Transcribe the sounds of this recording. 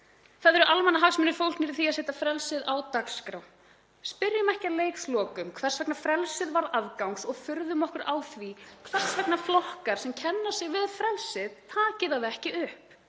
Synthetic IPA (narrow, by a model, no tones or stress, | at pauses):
θaðɛɾʏʔalmɛnaɦaksmʏnʏfowlkniɾɪ̥θiaseːht̪afɾɛlsɪðawt̪akskɾaw | spɪɾjʏmɛhcɪaleːjkslɔːkʏmkʰv̥ɛr̥svɛknafɾɛlsɪðvaɾaðkawŋsɔɣfʏɾðʏmɔhkʏɾaːwθvikʰvɛr̥svɛknaflɔhkaɾ̥sɛmcʰɛnːḁsjɪɣvɪðfɾɛlsɪðt̪ʰaːcɪðaðɛhcɪʏhp